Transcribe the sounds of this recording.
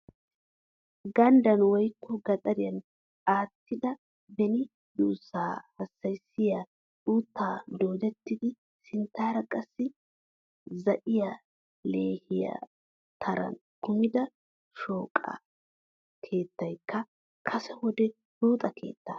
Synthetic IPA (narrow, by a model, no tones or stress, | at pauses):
ɡɐnd̪ɐnwɔjkʰːɔɡɐt̪ʼɐɾɪjɐn | aːt̪ːɪd̪ɐ | bɛnɪ | d̪uːsːaːhɐsːɐjsɪja | ᶑuːt̪ːaːd̪oːd̪ɛt̪ːɪd̪ɪ | sɪnt̪ːaːɾɐkʼɐsːɪ | zɐʔɪja | le̞ːhɪja̰ | t̪ʰɐɾɐ̰n | kʊmɪd̪ɐ | ʃoːkʼːɐ̰ | kʰe̞ːt̪ːɐjkːɐ | kʰɐsɛwɔd̪ɛ | duːt̪ʼɐkʰe̞̰ːt̪ːaː